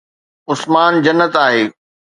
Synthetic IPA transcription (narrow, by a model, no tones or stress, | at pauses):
ʊsmaːnd͡ʑɐnːət̪aːɦeː